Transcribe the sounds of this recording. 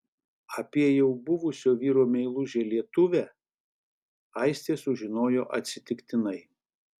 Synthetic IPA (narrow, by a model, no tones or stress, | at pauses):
ɐpʲiɛjɛʊbʊʋʊsʲoːʋʲiːɾoːmʲɛɪlˠʊʒʲelʲiɛt̪ʊʋʲæː | ɐɪsʲt̪ʲeːsʊʒʲɪnoːjoːʔɐ̰t̪ʲsʲɪt̪ʲɪkt̪ʲɪnɐɪ